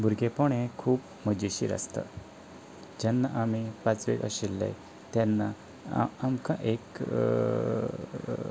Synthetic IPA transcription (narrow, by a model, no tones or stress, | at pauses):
bʱuɾɡepɔɳ̃ekʰuːp | məd͡ʑiɕḭːɾə̰st̪ə̰ | d͡ʑanːaʔamipat͡sʋḛkəɕilːḛ | t̪janːaː | mkãʔek